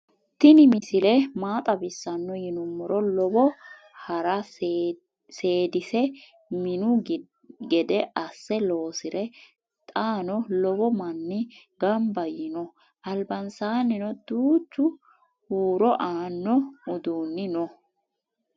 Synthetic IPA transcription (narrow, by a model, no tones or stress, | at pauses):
t̪ɪnɪmɪsɪlɛmaːt̪ʼɐbɪsːɐnːɔjɪnʊmːɔɾɔlɔbɔ | hɐɾɐ | seːd̪ɪsɛ | mɪnʊ | ɡɛd̪ɛʔɐsːɛlo̞ːsɪɾɛ | t̪ʼaːnɔlɔbɔmɐnːɪɡɐmbɐjɪnɔ | ʔɐlbɐnsaːnɪnɔd̪uːt͡ʃːʊ | huːɾɔʔaːnːɔʊd̪uːnːɪnɔ